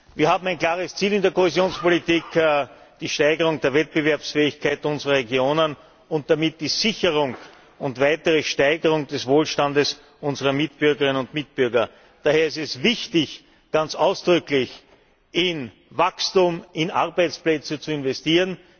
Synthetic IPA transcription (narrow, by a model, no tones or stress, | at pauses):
viːɐhaːbm̩æɪnkl̥aːʁəst͡siːlɪndeɐkʰohezjoːnspolitiːkd̥iːʃtæɪɡəʁ̞ʊŋd̥eːɐvɛt̚b̥əvɛɐpsfɛːɪçkʰaɪtʊnzəʁɐʁeɡjoːnən | ʊnt̚d̥amɪt̚d̥iːzɪçəʁʊŋ | ʊntvaɪtəʁəʃtæɪɡəʁʊŋd̥ɛsvoːlʃtandəs | ʔʊnzəʁɐmɪt̚b̥ʏɐɡəʁɪnənʊntmɪt̚b̥ʏɐɡɐ | d̥aːheːɐɛstɛsvɪçtɪç | ɡ̥ant͡saʊsd̥ʁʏklɪç | ʔɪn | vakstumɪnʔa̰ʁbæɪt͡splɛt͡sət͡suɪnvɛstiːʁən